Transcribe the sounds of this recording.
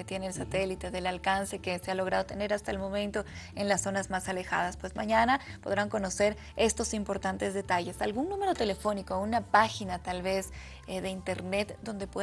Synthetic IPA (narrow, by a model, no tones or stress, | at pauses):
et̪jeneːlsat̪e̞lit̪e̞ðe̞lalkanse̞ke̞se̞alo̞ɣɾað̞o̞t̪e̞ne̞ɾast̪aelmõ̞mẽnt̪o̞e̞nlasːo̞nazmasale̞xa̰ð̞aspwe̞zmaɲanapo̞ð̞ɾaŋko̞no̞se̞ɾ | e̞st̪o̞simpo̞ɾt̪ant̪e̞zðe̞t̪aʝe̞salɣunnũme̞ɾo̞t̪e̞le̞fo̞nikounapaxinat̪alβe̞z | ðe̞int̪e̞ɾne̞t̪d̪o̞nd̪e̞pwe